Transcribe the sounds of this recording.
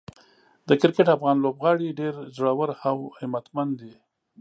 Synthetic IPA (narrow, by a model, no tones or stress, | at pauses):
d̪əkɪɾkɪʈafɣɑnlobɣɑɽiɖeɾzɽawəɾhawhɪmat̪mand̪i